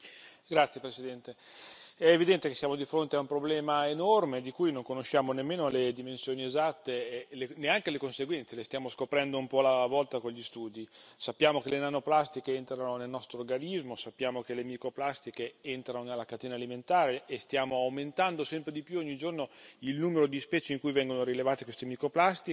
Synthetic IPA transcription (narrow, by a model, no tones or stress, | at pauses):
ɡɾat̪sjepɾesid̪ɛnt̪e | ɛːvid̪ɛnt̪ekesːjamod̪ifɾont̪eaumpɾoblɛːmaenɔrmed̪ikujnoŋkonoʃːaːmonemːeːnoled̪imensjoːniezat̪ːeleneaŋkelekonseɡwɛnselest̪jaːmoskopɾɛnd̪oumpɔlavɔlt̪akoʎːist̪uːd̪isapːjaːmokelenanoplast̪ikeent̪ɾanonelnɔst̪ɾoːrɡanizmosapːjaːmok̟elemikɾoplast̪ikeent̪ɾanonelːakat̪eːnaliment̪aːɾeʔːst̪jaːmoawment̪and̪osɛmpɾed̪ipjuɔɲːid͡ʒornoilnuːmeɾod̪ispɛːt͡ʃeiŋkujvɛŋɡonoɾilevaːt̪ekwest̪emikɾoplast̪i